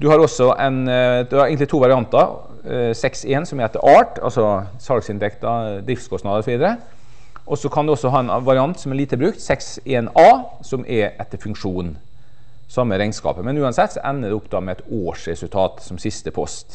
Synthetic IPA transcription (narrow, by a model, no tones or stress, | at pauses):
d̪̥ʉhɑɾɔsːɔʔɛnd̪ʉɑɾɛɡənɪt̪ʰuːʋɑɾɪɑnt̪ɑ | sɛkseːnsɔmɛɾɛt̪ːəɾʔɑːʈɑ̰lsɔ | sɑlksɪnt̪ʰɛkt̪ɑd̪ɾɪft̪skʰɔst̪nɑːd̪əɾɔsɔʋiːd̪əɾə | ʔɔsɔkʰɑnd̪ʉɔsːɔɦɑːɛnʋɑɾɪɑnt̪sɔmæɾɭiːt̪əbɾʉːkt̪sɛks | eːnɑː | sɔmʔɛʔɛt̪ːəfʉŋkʂuːn | sɑmːəɾɛɪŋskɑ̰ːpəmɛnʉːɑnsɛt̪ːsɔʔɛnːəd̪ɛɔpd̪ɑːmɛɛt̪oːʂɾɛsʉlt̪ʰɑːt̪sɔmsɪst̪əpʰɔst̪